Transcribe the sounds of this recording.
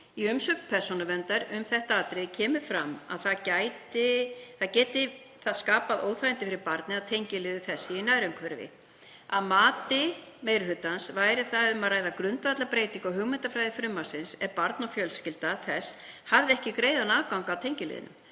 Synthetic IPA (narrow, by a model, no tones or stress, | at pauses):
iʏmsœknpʰɛɾ̥sonavɛnt̪aɾʏmθɛht̪aaːt̪ɾɪcʰɛːmʏfɾama̰ðθacajt̪ɪθaðcɛːt̪ɪ | θaðskaːpaðo̰ːwθajɪnt̪ɪfɪɾɪɾpaɾt̪nɪaðt̪ʰejɲcɪlɪːðʏθɛsːɪinajɾʏmkʰvœɾvɪ̰ | aðmaːt̪ɪ | meːjɾʏɦʏt̪ːansvaːjɾɪθaʏmaɾaːjðakɾʏnt̪vat̪lapɾeːjt̪iŋkɔɦʏɣmɛnt̪afɾajðɪfɾʏmːasɪnsɛɾpaɾt̪nɔfjœlscɪlt̪aθɛs | havðɪɛhcɪkɾeːjðanaːvkawŋkawt̪ʰejɲcɪlɪ̰ðɪ̰nʏ̰m